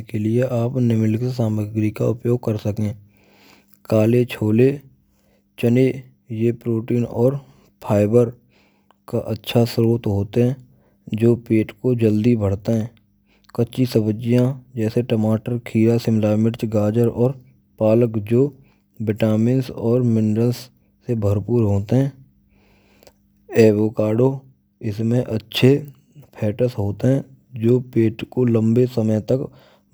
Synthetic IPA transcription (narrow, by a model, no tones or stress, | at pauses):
kelɪeʔaːpnɪmɪlksaːməɡɾikaʊpjoːɡ̚kəɾsəkẽː | kaːlet͡ʃʰoːle | t͡ʃəne | jepɾoːʈiːnɔːɾ | pʰaːɪbəɾ | kaʔətːʃʰasɾoːt̪ɦoːt̪eɦɛ̃ː | d͡ʒoːpeːʈkod͡ʒəld̪ibʱəɽ̤t̪eɦɛ̃ː | kətːʃisəbəd͡ʒɪjãd͡ʒɛːseʈəmaːʈəɾkʰiːɾasɪ̃mlaːmɪʈt͡ʃɡaːd͡ʒəɾɔːɾ | paːləkd͡ʒoː | bɪʈaːmɪnsɔːɾmɪ̃ɳɖəlsː | ebʱəɾpuːɾɦoːt̪eɦɛ̃ː | ɛːboːkaːɖoː | ɪsmẽʔətːʃʰe | pʰɛːʈəsɦoːt̪eɦɛ̃ː | d͡ʒoːpeːʈkolə̃mbesəməjt̪ək